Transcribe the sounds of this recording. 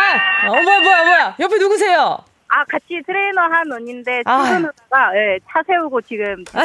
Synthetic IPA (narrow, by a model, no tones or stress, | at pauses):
omojamojamojajʌpʰinuɡus̬ʰe̞jo | akat͡ɕʰitʰɯɾe̞inʌɦanʌɲinde̞ɡɯnɦadaɡaje̞t͡ɕʰasʰe̞uɡot͡ɕiɡɯmt͡ɕ